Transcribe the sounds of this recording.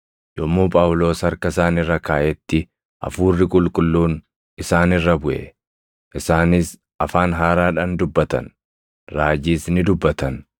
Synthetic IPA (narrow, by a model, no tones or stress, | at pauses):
jɔmːuːpʼaːwlo̞ːshɐɾkɐsaːnɪrːɐkaːʔɛt̪ːɪ | ʔɐ̰fuːrːɪkʼʊlkʼʊlːuːn | ɪsaːnɪrːɐbʊʔɛ̰ | ʔɪsaːnɪs | ɐfaːnɦaːɾaːᶑɐnd̪ʊbːɐt̪ɐ̰n | ɾaːd͡ʒiːsnɪd̪ʊbːɐt̪ɐn